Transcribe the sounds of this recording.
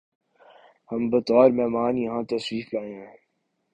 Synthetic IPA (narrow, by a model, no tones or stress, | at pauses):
hɐmbɐt̪ɔːɾmɛːmaːnjɐɦãt̪ɐswiːflaːẽɦɛ̃ː